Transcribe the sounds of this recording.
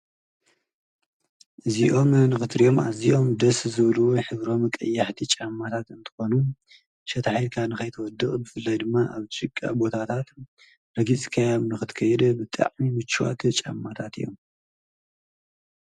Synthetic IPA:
ʔɨziʔo̞mnɨxɨt̪ɾijo̞mʔa̰ziʔo̞md̪ɐszɨβluoħɨβɾo̞mɨkʼɐ̰jːaħt̪ʰit͡ʃʼamːat̪ʰat̪ɨnt̪ʰɨ̥xo̞nu | ʃɐt̪ʰaħijlkʰanɨxɐjt̪ʰwɔd̪ɨkʼbɨfɨlːajd̪ɨmːaʔaβt͡ʃɨkʼːa̰bo̞t̪ʰat̪ʰat̪ | ɾɐɡit͡sʼkʰajamnɨxɨt̪kʰɐjɛd̪bɨt̪ʼa̰ʕmimɨt͡ʃːuwa̰t̪ʰt͡ʃʼa̰mːat̪ʰat̪ɨ̰jːo̞̰m

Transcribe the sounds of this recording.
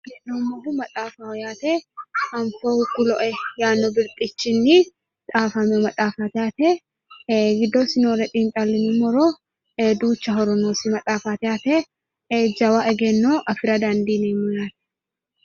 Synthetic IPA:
ɡɛnːomːɔɡʊmɐt̪ʼaːfaɔjaːt̪ɛhɐmkoːhʊkːʊlɔʔɛjaːnːɔbɪɾt̪ʼɪt͡ʃːɪnːɪ | t̪ʼaːfɐmɛmɐt̪ʼaːfaːt̪ɪaːt̪ɛ | ɡɪd̪ːosɪnoːɾɛt̪ʼiːnt͡ʃʼalːɪnɪmːɔɾoː | ed̪uːt͡ʃːɐɦɔɾɔnoːsɪmɐt̪ʼaːfaːt̪ɪjaːt̪ɛ | d͡ʒɐwaʔɛɡɛnːoʔɐfɪɾɐd̪and̪iːneːmʊjaːt̪ɛ̥

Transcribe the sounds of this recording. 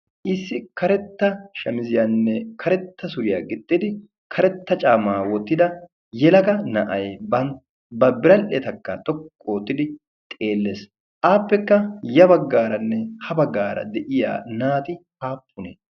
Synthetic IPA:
ʔɪsːɪkɐɾɛt̪ːɐʃɐmɪzɪjɐnːɛkɐɾɛt̪ːɐsʊɾɪjaːɡɪt̪ʼːɪd̪ɪ | kʰɐɾɛt̪ːɐt͡ʃʼaːmaːwɔt̪ːɪd̪ɐ | jɛlɐkɐnɐʔɐjbɐn | bɐbɪɾɐlet̪ɐkːɐt̪ʼɔkʼːoːt̪ːɪd̪ɪ | t̪ʼe̞ːlːes | ʔaːpːɛkːɐjɐbɐɡːaːɾɐnːɛhɐbɐɡːaːɾɐ̰d̪ɛʔɪja̰ːnaːt̪ɪhaːpːʊne

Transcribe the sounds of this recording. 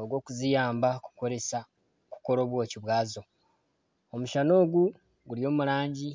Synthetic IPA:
oɡwo̞ːkuzijaːmbaku̥ko̞ɾe̞sa | ku̥ko̞ɾo̞ːβwo̞ːciβwaːzo̞ | omuʃano̞ːɡu | ɡulio̞ːmulaːɲɟi

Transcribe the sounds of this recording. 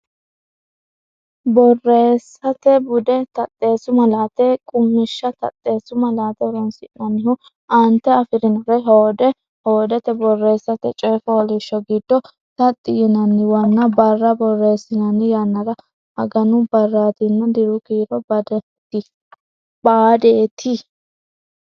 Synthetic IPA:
bɔrːe̞ːsːɐt̪ɛbʊd̪ɛt̪ɐt̪ʼːe̞ːsʊmɐlaːt̪ɛkʼʊmːɪʃːɐt̪ɐ̰t̪ʼːe̞ːsʊmɐlaːt̪ɛɾɔnsɪʔnɐnːɪhʊ | ʔɐnt̪ːɛɐfɪɾɪnɐɾɛɦod̪ɛ | hoːd̪ɛt̪ɛbɔrːe̞ːsːɐt̪ɛt͡ʃʼɛːfɐɔlɪʃːɔɡɪd̪̥ːɔ | t̪ɐt̪ʼːɪjɪnɐnːɪwɐnːɐbɐrːɐbɔrːe̞ːsɪnɐnːɪjɐnːɐɾɐ | hɐ̰ɡɐnʊbɐrːaːt̪ɪnːɐd̪ɪɾʊkiːɾɔbɐd̪ɛ | t̪ɪ | baːd̪eːt̪ʰɪ

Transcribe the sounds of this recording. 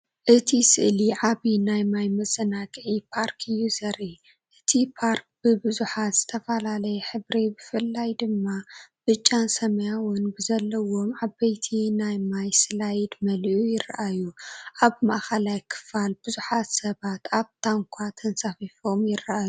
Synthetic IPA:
ʔɨt̪ʰisɨ̰ʔliʕaβinajmajmɐt͡sʼːɐnakʼʕipʰaɾkʰɨjːuzɐɾi | ʔɨt̪ʰipʰaɾk̚b̥ɨbɨzuħat̪z̥ɨt̪ʰɐfɐlalɐjɛħɨβɾebɨfɨlːajd̪ɨmːab̥ɨt͡ʃʼːansɐmɐjawɔnbɨzɐlːɐwo̞mʕabɐjt̪ʰinajmajsɨlajɪd̪mɐlʔujɪɾːɐʔajuʔaβmaʔxɐlajkʰɨ̥falb̥ɨzuħat̪sɐβat̪aβt̪ʰaŋkʷʰat̪ʰɐnsafifomjɪrːɐʔaju

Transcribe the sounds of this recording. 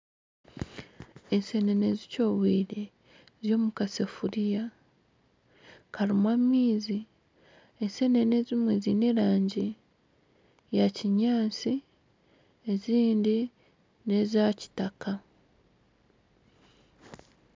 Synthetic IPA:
ese̞ne̞ne̞zico̞βwiːɾe̞ | zjo̞ːmukasefuɾija | kalimwamiːzi | ese̞ne̞ne̞zimwe̞zineɾaːɲɟi | jaciɲaːnsi | eziːndi | ne̞zaci̥taka

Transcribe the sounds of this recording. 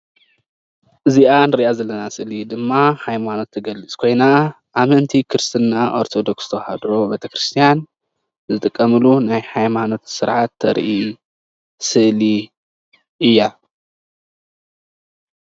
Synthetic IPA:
ʔɨziʔanɨɾiʔazɐlːɐnasɨlid̪ɨmːahajmano̞t̪ʰːɐɡɐlːɨt͡sʼkʰo̞jna | ʔamɐnt̪ʰikʰɨɾɨst̪ʰɨnːaʔo̞̰ɾt̪ʰo̞d̪okst̪ʰɐwha̰d̪ɾo̞bet̪ʰɐkɾɨst̪ʰijan | zɨt̪ʼɨkʼːɐmɨlunajħajmano̞t̪sɨɾʕat̪ʰːɐ̰ɾʔi | sɨʔli | ʔɨjːa

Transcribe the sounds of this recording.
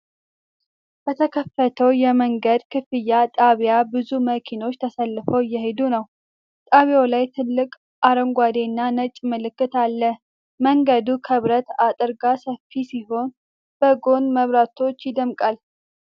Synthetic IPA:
b̥ət̪ʰəkʰəfːət̪ʰəwjɛməŋɡəd̪kʰɨfɨjːat̪ʼaβjabɨzuməkʰino̞t͡ʃːt̪ʰəsəlːɨfəwjːɛɦed̪unəw | t̪ʼaβjalajt̪ʰɨlːɨkʼ | ʔaɾəŋɡʷad̪e̞nːanət͡ʃʼmɨlɨkːɨt̪alːə | məŋɡəd̪ukʰəβɾət̪at̪ʼɨɾɡasəfisiɦo̞n | b̥əɡo̞nməβɾat̪ʰo̞t͡ʃːjɪd̪əmkʼal

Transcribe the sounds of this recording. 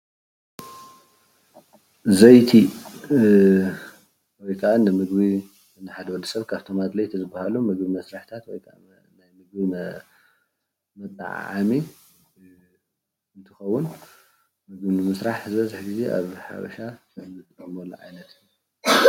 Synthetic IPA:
zɐjt̪ʰi | wɔjkʰɐʔanɨmɨɡbi | nɨħad̪ɐwɐlːɐ̥sɐβkʰaβt̪ʰomad̪lɐjt̪ʰizɨbːahalumɨɡbimɐsɾaħt̪ʰat̪wɔjkʰʔa̰ | najmɨɡbi | mɐt̪ʼːa̰ʕ̰ʕa̰mi | ɨnt̪ʰɨxɐwʊn | mɨɡbinɨmɐsɾaħzɐzaħɡize̞ʔa̰βħa̰βɐ̰ʃasɨɨɨmɐlːɐ̰ʕa̰jnɐt̪

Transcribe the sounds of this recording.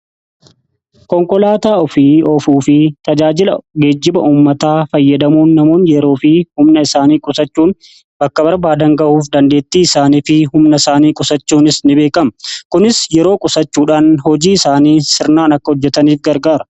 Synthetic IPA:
kɔŋkɔlaːt̪aːɔfiɔfuːfɪt̪ɐd͡ʒaːd͡ʒɪlɐ̰ɡe̞ːd͡ʒːɪbɐʔuːmːɐt̪aːfɐjːɐd̪ɐmuːnːɐmo̞ːnjɛɾo̞ːfɪhʊmnɐɪsaːniːkʼʊsɐt͡ʃːuːn | bɐkːɐbɐɾbaːd̪ɐŋɡɐʔuːfd̪ɐnd̪e̞ːt̪ːiːɪsaːniːfɪhʊmnɐɪsaːniːkʼʊsɐt͡ʃːuːnɪsnɪbe̞ːkɐmkʊnɪsjɛɾo̞ːkʼʊsɐt͡ʃːuːᶑaːnhɔd͡ʒiːɪsaːniːsɪɾnaːnɐkːɐhɔd͡ʒːɛt̪ɐniːfɡɐɾɡaːɾɐ̥

